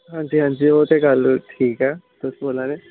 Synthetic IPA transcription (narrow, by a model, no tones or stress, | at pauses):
ɦãːɲd͡ʒiːɦãːɲd͡ʒiːoːt̪eɡəlʈʰiːkɛː | t̪ʊsboːlaːne